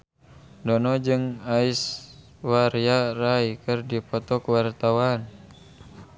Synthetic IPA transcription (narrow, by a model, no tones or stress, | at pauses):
dɔnɔd͡ʒɨŋais | waɾijaraikɨrdipɔt̪ɔkwart̪awan